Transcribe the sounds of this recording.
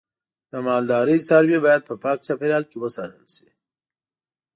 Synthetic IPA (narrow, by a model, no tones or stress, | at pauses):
d̪̥əmaːld̪aːɾit͡saɾbjibaːjad̪̚pəpaːk̚t͡ʃapeɾaːlkewəsaːzə̰lsi̥